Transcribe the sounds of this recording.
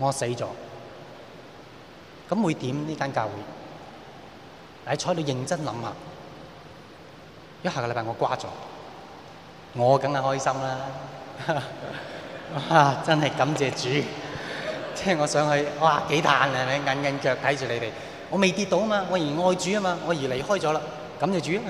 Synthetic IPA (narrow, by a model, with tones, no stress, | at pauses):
ŋɔː˨˧se˨˥jt͡sɔ̰ː˨˥ | kɐ˨˥mwu˨˧jt̪iː˨˥mniː˥kaː˥nkaː˧wuː˨˥j | laː˨˧jt͡ʃʰɔː˨˧˥jt̪o˧jɪ˨˧ŋt͡sɐ˥nlɐ˨˧˥mha̰ː˨˩ | jɐ˥t̚haː˨˩kjpaː˨˧ŋɔː˨˧kwaː˥t͡sɔ̰ː˨˥ | ŋɔː˨˧kɐ˨˥ŋaː˨˩hɔː˥jsɐ˥mlaː˥˧ | aː˧˩t͡sɐ˥nhɐ˨jkɐ˨˥mt͡sɛː˨˧t͡ʃyː˨˥ | t͡sɛː˥˩ŋɔː˨˧sœː˨˥ŋhɵ˧ɥwaː˧˩ke˨˥jt̪ʰaː˨˧na˨ne˨˧ŋa˨˧nkɐ˧nkœː˧k̚t̪ʰɐ˨˥jt͡ʃyː˨le˨˧jt̪e˨j | ŋɔː˨˧me˨jt̪iː˧t̚t̪o˨˧wɐ˥maː˧ŋɔː˨˧jŋɔː˧jt͡ʃyː˨˥a˥maː˧ŋɔː˨˧jiː˨˩le˨˩jhɔː˥jt͡sɔ˨˥laː˧ | kɐ˨˥mt͡sɛː˨˧t͡ʃyː˨˥